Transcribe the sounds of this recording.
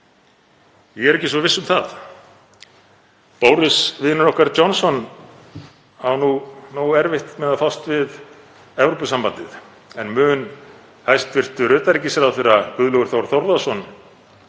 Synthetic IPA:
jɛɣɛɾɛhcːɪsvɔvɪsːʏmθa̰ð | powɾɪsvɪːnʏɾɔhkaɾt͡ɕɔnsɔn | hawnunowɛɾvɪht̪mɛðafawst̪vɪð | ɛvɾopʏsampant̪ɪð | ɛnmʏːn | hajst̪vɪr̥t̪ʏɾʏːt̪aɾicɪsɛɾawθɪrakʏðlɔɣʏɾ̥θowɾ̥θɔɾðasɔn

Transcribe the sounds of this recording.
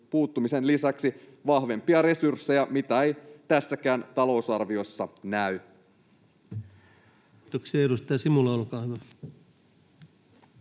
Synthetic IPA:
puːt̪ːumise̞nlisæksi | ʋɑhʋe̞mpiɑɾe̞sursːejɑmit̪æejt̪æsːækæːnt̪ɑlo̞usɑrʋio̞sːɑnæy | it̪oksiɑeɾust̪eɑsimulɑolkɑimɑ

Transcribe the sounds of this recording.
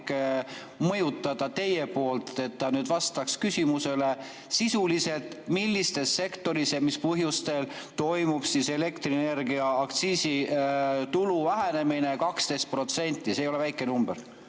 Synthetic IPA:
k | mɤ̞jut̪ːˑɑd̪̥ɑt̪e̞jepo̞ːlt̪e̞t̪ːɑnyːd̪̥vɑst̪ɑkskysʲimuse̞le̞ | sisulise̞lt̪ˑmilːist̪e̞sːe̞kt̪o̞ɾisjɑmispɤɦjust̪e̞l | t̪o̞jmub̥sise̞le̞kt̪ɾine̞ɾɡiɑːkt̪siːsi | t̪uluvæɦene̞mine̞kɑkst̪e̞jst̪̚pro̞t̪se̞nʲt̪ːˑiseːjo̞levæjkːˑenumb̥er

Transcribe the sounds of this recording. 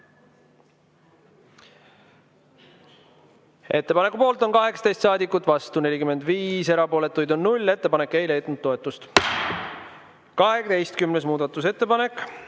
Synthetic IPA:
e̞t̪ːe̞pɑne̞kːˑupo̞ːlt̪ˑo̞nkɑɦe̞kst̪ejst̪sɑːd̪ikːˑut̪ːˑvɑst̪une̞lʲikymːe̞nd̪viːse̞ɾɑpo̞ːle̞t̪ːˑujd̪o̞nːulʲːe̞t̪ːe̞pɑne̞kːˑe̞jle̞jd̪nud̪̚ːo̞e̞t̪ːˑust̪ | kɑɦekt̪e̞jst̪̚kymne̞s̬muːd̪̥ɑt̪ːˑuse̞t̪ːe̞pɑne̞kːˑ

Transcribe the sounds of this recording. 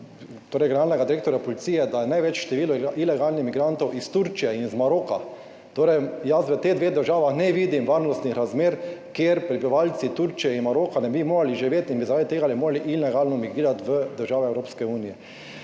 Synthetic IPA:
t̪oːɾɛjɡɛnaːɾnɛɡad̪iɾeːk̚t̪ɔɾjapɔlit̪siːjɛd̪ajɛnajʋɛt͡ʃʃt̪ɛʋiːlɔʔilɛɡaːlnixmiɡɾant̪ɔwʔist̪uɾt͡ʃijɛinzmaɾoːka | t̪oːɾɛjjasʋət̪eɣd̪ʋeːɣd̪əɾʒaːʋaxnɛʋiːd̪imʋaɾnɔst̪nixɾazmeːɾkeɾpɾibiʋalt̪sit̪uɾt͡ʃijɛinmaɾoːkanɛbimoːɾaliʒiʋeːt̪inbizaɾaːd̪it̪eːɡalɛmoːɾaliʔilɛɡaːlnɔmiɡɾiːɾat̪ʋəd̪əɾʒaːʋɛɛwɾoːpskɛuːnijɛ

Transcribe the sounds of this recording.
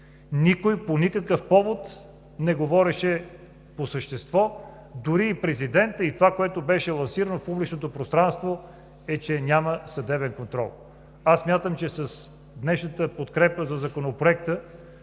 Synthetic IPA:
nikojponikəkəfpɔvot̪ | nɛɡovɔɾɛʃɛ | posəʃt̪ɛst̪vɔ | d̪ʊɾiːpɾɛzid̪ɛnt̪əit̪ovakoɛt̪obɛʃɛlˠɐnsiɾənofpublit͡ʃnot̪opɾost̪ɾanst̪vo | ɛt͡ʃɛnʲaməsɐd̪ɛbɛnkont̪ɾɔ̰lˠ | asːmʲjat̪əmt͡ʃɛsɐs | d̪nɛʃnət̪əpot̪kɾɛpəzɐzɐkonopɾoɛk̚t̪ə

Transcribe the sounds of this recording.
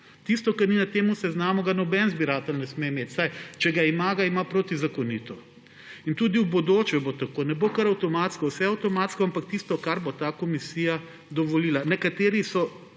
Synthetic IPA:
t̪ist̪ɔkɐɾninat̪eːmusɛznaːmɔɡanɔbɛnzbiɾaːt̪ɛlnɛsmemeːt̪ʲsajt͡ʃɛɡaimaːɡaimapɾot̪izakoniːt̪ɔ | int̪uːd̪iwbod̪oːt͡ʃʋɛbot̪akoːnɛbokɐɾɐwt̪ɔmaːt̪skɔwsɛɐwt̪ɔmaːt̪skɔampak̚t̪ist̪ɔkaɾbot̪akomisiːja | d̪ɔʋɔliːlanɛkat̪eːɾisɔ

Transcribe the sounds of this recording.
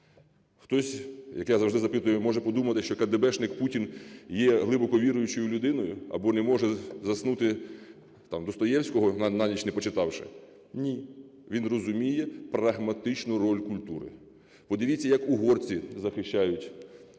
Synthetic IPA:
xt̪ɔsʲjɐkjazɐwʒd̪ɪzɐpɪt̪ʊjʊmɔʒɛpɔd̪umɐt̪ɪʃt͡ʃɔkɐd̪ebɛʃnɪkputʲinjɛɦlˠɪbɔkɔʋʲiɾʊjʊt͡ʃɔjʊlʲʊd̪ɪnɔjʊɐ̰bɔnɛmɔʒɛzɐsnut̪ɪ | t̪ɑmd̪ɔst̪ɔjɛwsʲkɔɦɔnnɑnʲit͡ʃnɛpɔt͡ʃɪt̪ɑwʃɛ̰ | nʲi | ʋʲinrɔzʊmʲijɛprɐɦmɐt̪ɪt͡ʃnʊɾɔlʲkʊlʲt̪uɾɪ̰ | pɔd̪ɪʋʲit͡sʲːɐjɐkuɦɔrt͡sʲizɐxɪʃʲt͡ʃajʊtʲ

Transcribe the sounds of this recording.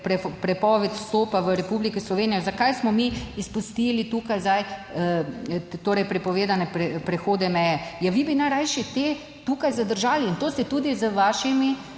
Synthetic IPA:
pɾɛpɾɛpɔːʋɛt̪st̪oːpaʋəɾɛpublikɛslɔʋeːnijɛzakajsmɔmiispust̪iːlit̪uːkajzaj | t̪oːɾɛjpɾɛpɔʋeːd̪anɛpɾɛpɾɛxoːd̪ɛmɛjɛjaʋibinajɾajʃɛt̪e | t̪ukajzad̪əɾʒaːliːnt̪oːst̪ɛt̪ud̪izəʋaʃimi

